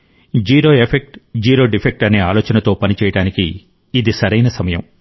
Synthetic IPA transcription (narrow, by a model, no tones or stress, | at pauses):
d͡ʒiːɾoːepʰek̚ʈd͡ʒiːɾo̞ːɖipʰek̚ʈɐneːaːloːt͡ʃɐnɐt̪o̞ːpɐnit͡ʃɛːjɐɽaːnikiː | d̪isɐɾɐjnɐsɐmɐjɐm